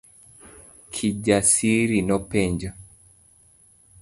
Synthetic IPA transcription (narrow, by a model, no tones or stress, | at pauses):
kʰiɟasiɾinɔpɛɲd͡ʒɔ